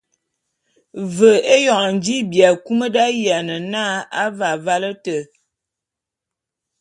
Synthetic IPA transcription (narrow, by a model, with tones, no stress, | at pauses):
və˨e˦jɔ˨ʔn˦d͡ʒi˦bja˨ku˦mə˦da˦ja˨nə˨na˦a˦va˨va˦lə˦tə˨